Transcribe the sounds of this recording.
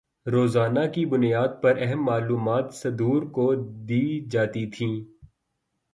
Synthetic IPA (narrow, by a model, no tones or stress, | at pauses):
ɾoːzaːnakibʊnijaːd̪̚pɐɾɛɦɛmːaːluːmaːt̪sɐd̪uːɾkod̪iːd͡ʒaːt̪it̪ʰĩː